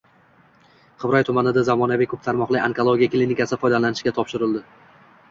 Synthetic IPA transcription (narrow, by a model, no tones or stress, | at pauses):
qʰɨvɾɒjt̪ʰʊmanɪd̪azamɒnavɪkʰɵp̚t̪ʰaɾmɒqlˠɪaŋkʰolˠoɡʲiaklʲinɪkasɪfɒjd̪alanɪʃɡʲat̪ʰɒpʃɪɾɪlˠd̪ɪ